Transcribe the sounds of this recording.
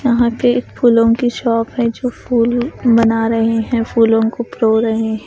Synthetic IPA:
jɐɦãpeeːkfʰuːlõkiʃɔːpɦɛ̃d͡ʒoːpʰuːlbɐnaɾɐɦeɦɛ̃fʰuːlõkopɾoːɾɐɦeɦɛ̃

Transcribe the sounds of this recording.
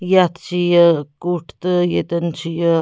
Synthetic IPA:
jat̪ʰt͡ʃijəkuʈʰt̪əjet̪ənt͡ʃʰijə

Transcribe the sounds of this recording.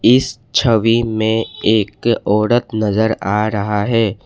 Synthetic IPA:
ɪs | t͡ʃʰəʋimẽeːkɔːɾət̪nɐzəɾaːɾɐɦaɦɛː

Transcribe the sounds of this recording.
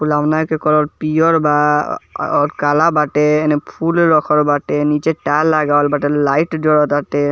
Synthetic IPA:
pulamnakekɔɾɔɾpijɔɾba | ɔkalabaʈeːnepʰulɾɔkʰɔɾbaʈenit͡ʃeʈalːaɡalbaʈelajʈdɔɹɔt̪ate

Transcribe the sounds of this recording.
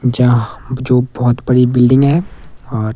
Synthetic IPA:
d͡ʒãd͡ʒoːbɔɦʊt̪bɐɽibɪlɖɪ̃ŋɡɦɛːɔːɾ

